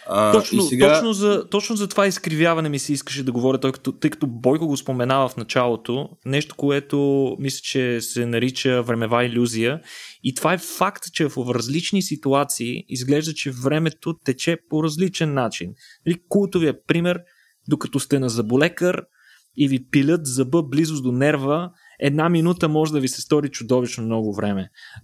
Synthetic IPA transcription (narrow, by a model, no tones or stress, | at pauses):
ɔt͡ʃnoɛtɡ̪ɔt͡ʃnozɐt̪ɔt͡ʃnozɐt̪ovaiskɾivʲjavɐnɛmisɛiskəʃ̬ɛd̪ɐɡovɔɾʲɐt̪ɔjkɐ̥t̪ot̪ɤjkɐ̥t̪ɔbɔjkoɡospomɛnavəfnɐt͡ʃalˠot̪onɛʃt̪o̥koɛt̪omislʲə̥t͡ʃɛsɛnɐɾit͡ʃəvɾɛmɛvailʲuzijəit̪ovaɛfakt̪t͡ʃɛfofɾɐzlit͡ʃnisit̪uat̪siːizɡlɛʒd̪ət͡ʃɛvɾɛmɛt̪ot̪ɛt͡ʃɛpoɾɐzlit͡ʃɛnːat͡ʃinnɐlikulˠt̪ʊviəpɾimɛɾ | d̪okɐt̪ɔst̪ɛnɐzɐbolɛkəɾ | ivipilʲət̪zɐbɤblizʊsd̪onɛɾvə | ɛd̪naminut̪əmɔʒɛd̪ɐvisɛ̥st̪ɔɾit͡ʃʊd̪ɔvit͡ʃnomnɔɡʊvɾɛmɛ